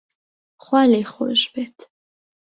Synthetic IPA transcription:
χwaleχo̰ʒbɛt̪

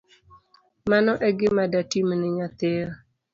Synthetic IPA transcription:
manɔʔɛɡɪmadatimnɪɲat̪eɾ

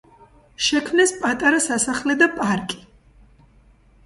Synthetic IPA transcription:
ʃɛkʰmnɛspʼat̪ʼaɾasasaχlɛd̪apʼaɾkʼi̥

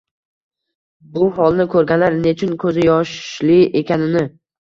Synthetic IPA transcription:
bʊɦɒlˠnɪkʰɵɾɡʲanlaɾne̞t͡ʃʰɪnkʰɵzɪjɒʃlɪʔe̞kʲʰanɪnɪ

